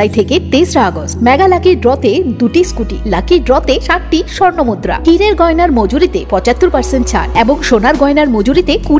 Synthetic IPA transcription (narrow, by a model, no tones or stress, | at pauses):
ajt̪ʰeket̪esɾaɡosmɛɡalakiɾɖɾɔt̪ed̪uʈiskuʈḭlakiɾɖɾɔt̪eʃaʈʈiʃɔɾnomud̪ɾa̰ʈʰiɾeɾɡɔenaɾmod͡ʑuɾit̪epɔt͡ɕat̪ːuɾpaɾseɳʈ̚t͡ɕʰa̰ɾeboŋʃonaɾɡɔenaɾmod͡ʑuɾit̪eku